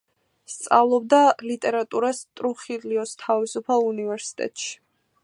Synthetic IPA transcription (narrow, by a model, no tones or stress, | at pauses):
st̪sʼavlˠɔb̚d̪alit̪ʼɛɾat̪ʼuɾast̪ʼɾuχiliɔst̪ʰavisupʰalˠunivɛɾsi̥t̪ʼɛ̰t̪ʼʃi̥